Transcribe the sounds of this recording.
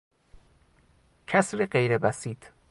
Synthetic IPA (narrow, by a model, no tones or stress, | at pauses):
cʰæsɾeɢejɾebæsiːd̪̥